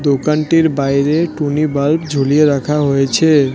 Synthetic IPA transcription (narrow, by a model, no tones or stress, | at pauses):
d̪okanʈiɾbajɾeʈunibalpd͡ʑʱolieɾakʰaɦojet͡ɕʰe